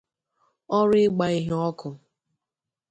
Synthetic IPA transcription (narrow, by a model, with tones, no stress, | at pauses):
ɔ˦ɾɪ˦ɡ͡ba˨i˦ɦɔ˦kʊ˨